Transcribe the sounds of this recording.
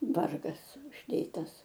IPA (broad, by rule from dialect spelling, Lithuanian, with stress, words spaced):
ˈʋɐrɡɐs ʊʒʲˈdʲeːtɐs